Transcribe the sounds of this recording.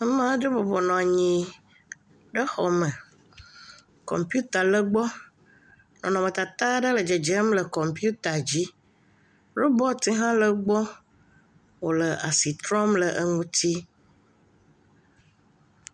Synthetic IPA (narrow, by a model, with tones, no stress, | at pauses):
ə˦mã˦ɖə˦bɔ˨bɔ˨nɔ̃˨a˨ɲĩ˨ | ɖə˦xɔ˨mə˨ | kɔ̰˨mpju˦t̪a˨lə˦ɡ͡bɔ˦ | nɔ̃˨nɔ̃˨mə̃˨t̪a˨t̪a˦ɖə˦lə˨d͡ʒe˨d͡ʒə˦mlə˨kɔ˨mpu˦t̪a˨d͡ʑi˦ | ɾo˦bɔ˦t̪i˦ɦã˦lə˦ɡ͡bɔ˦ | wo˨lə˨ʔa˨si˨t̪ɾɔ̃˦mlə˨ʔə˦ŋũ˦t̪ʰi˦